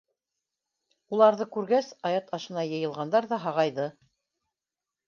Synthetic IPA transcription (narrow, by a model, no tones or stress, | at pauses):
ulˠɑɾðɤkʉɾɡæsɑjɑt̪ɑʃɤ̆nɑjɤ̆jɤ̆lˠʁɑnd̪ɑɾðɑɦɑʁɑjðɤ